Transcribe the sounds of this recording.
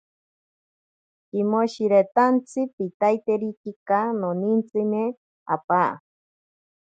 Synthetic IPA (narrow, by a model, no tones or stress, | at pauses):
kimoʃiɾet̪ant͡sʰɨpit̪ajt̪eɾikikanonint͡sɨne | a̰paʔa̰